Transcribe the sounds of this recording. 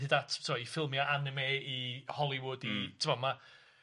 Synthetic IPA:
ɨdatʰsʰɔifɪlˠmjaʔanɪmeːihɔlˠɪwʊditʰɪmvɔma

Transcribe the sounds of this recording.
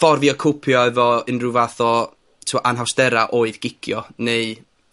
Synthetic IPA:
fɔrviɔkʰʊpʰjɔɛvɔɪnruvaθɔ | tʰɪwaʔanɦawsd̥ɛɾaʔoːɨðɡ̥ɪkʰjɔnej

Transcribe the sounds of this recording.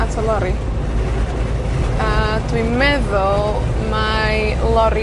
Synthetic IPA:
atʰəlˠɔɾi | adʰwimɛðʊlˠ | ma | lˠɔɾi

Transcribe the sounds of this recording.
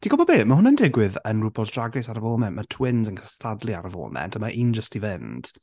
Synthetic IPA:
d̥ʰiɡɔbɔbeːmahʊnəndɪɡwɪðənrubɔdraɡrɪsaɾəvɔlˠmɛnʔmatʰwɪnzənkʰə̥stʰadlˠiaɾəvɔ̰lˠmɛ̰ntʰəmaʔiːnd͡ʒəstivɪnd̥

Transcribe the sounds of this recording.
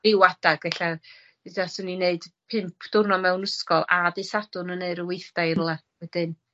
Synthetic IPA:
ɪwadaɡɛɬa | ɨdasɔnineɨd̥pʰɪmpʰd̥ʊrnɔmɛwnəskɔlˠadisadʊnəneɨɾəwejθd̥ajrlˠa | wɛd̥ɨn

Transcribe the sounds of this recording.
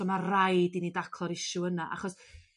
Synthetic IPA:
ɔmarajdinidakʰlˠɔɾɪʃʊənaʔa̰χɔs

